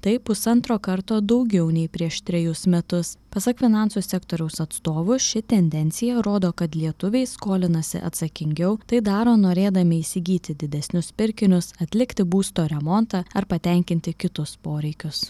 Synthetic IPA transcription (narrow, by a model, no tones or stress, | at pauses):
t̪ɐɪpʊsɐnt̪ɾoːkɐɾt̪oːd̪ɒʊɡʲɛʊnʲɛɪpʲɾʲiɛʃt̪ʲɾʲɛjʊsmʲɛt̪ʊspɐsɐkfʲɪnɑnsusʲɛkt̪oːɾʲɛʊsɐt̪st̪oːʋʊʃʲɪt̪ʲɛnʲd̪ʲɛnʲt̪sʲɪjɛɾoːd̪oːkɐt̪lʲiɛt̪ʊʋʲɛɪskoːlʲɪnɐsʲɪ̰ʔɐ̰t̪sɐkʲɪŋʲɡʲɛʊt̪ɐɪd̪ɑːɾoːnoːɾʲeːd̪ɐmʲɪisʲɪɡʲiːt̪ʲɪd̪ʲɪd̪ʲɛsʲnʲʊspʲɪɾʲkʲɪnʲʊsɐt̪ʲlʲɪkt̪ʲɪbuːst̪oːɾʲɛmɔnt̪ɑːɐɾpɐt̪ʲɛŋʲkʲɪnʲt̪ʲɪkʲɪt̪ʊspoːɾʲɛɪkʲʊs